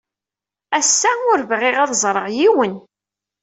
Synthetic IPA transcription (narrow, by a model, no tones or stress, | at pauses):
æsːæʊɾvʁɪʁæðzˤɾˤəʁjiwən